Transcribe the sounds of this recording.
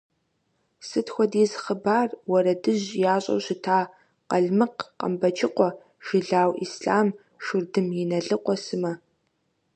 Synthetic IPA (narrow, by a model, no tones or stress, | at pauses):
sɨtʰxʷɔdizχəbaːrwɐɾɐdɨʑjaːɕʼɐ̰wɕɪtʰaː | qɐɮmɨqqə̰mbɐt͡ʃʰʼɪqʷɔ | ʒ̥ɪɮaːwisɬaːm | ʃʊrdɨmjɪnɐɮɨqʷʼɔsɨmɐ